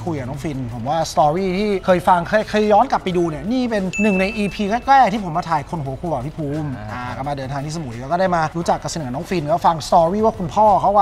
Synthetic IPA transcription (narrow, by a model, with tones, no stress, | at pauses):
kʰu˧jka˨˩nɔː˨˦˥ŋfi˧npʰo˩˦mwaː˥˩st̪ɔː˧ɾiː˥˩t̪ʰiː˥˩kʰɤː˧jfa˧ŋkʰɤː˧˥jkʰɤː˧jːɔː˦˥nka˨˩pːa˧jduː˧niː˦˥˩ɐniː˥˩pe˧nːɯ˨˩ŋna˧jʔiː˧pʰiː˧kɛː˥˩klɛː˥˩k̪̚ʰiː˥˩pʰo˩˦maː˧t̪ʰaː˨˩jkʰo˧nɦu˨˦kʰu˧ka˨˩pʰi˦˥˩pʰuː˧mʔaː˧˩ka˧maː˧dɤː˧nt̪ʰaː˧ŋt̪i˥˩sa˧mu˨˩˦aː˧˦˥kɔ˥˩da˥˩jmaː˧ɾuː˦˥t͡ɕa˨˩kːa˧˩si˧nɯ˩˦nɔː˦˥ŋfi˧nɛː˦˥˩fa˧ŋst̪ɔː˧ɾiː˥˩waː˥˩kʰu˧npʰɔː˥˩kʰa˦˥waː˥˩